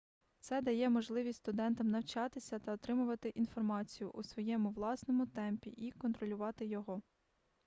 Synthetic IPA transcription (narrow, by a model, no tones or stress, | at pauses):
t̪sɛd̪ɐjɛmɔʒlˠɪʋʲisʲtʲst̪ʊd̪ɛnt̪ɐmnɐwt͡ʃɑt̪ɪsʲɐt̪ɐɔt̪ɾɪmʊʋɐt̪ɪʔinfɔrmɑt͡sʲijʊʔusʋɔjɛmʊʋlˠɑsnɔmʊt̪ɛmpʲiʔikɔnt̪ɾɔlʲʊʋɑt̪ɪjɔɦɔ